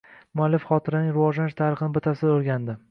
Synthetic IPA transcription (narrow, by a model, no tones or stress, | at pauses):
mʊalːɪfχɒt̪ʰɪɾanɪŋɾɪvɒʒlanʃt̪ʰaɾɨχɨnɪbɪt̪ʰasɪd̪oɾɡʲand̪ɪ